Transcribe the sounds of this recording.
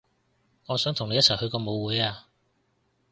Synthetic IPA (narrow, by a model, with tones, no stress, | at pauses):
ŋɔː˨˧sœː˨˥ŋt̪ʰʊ˨˩ŋne˨˧jɐ˥t͡sʰɐ˨˩jhɵ˧ɥkɔː˧mo˨˧wːuː˨˧jaː˧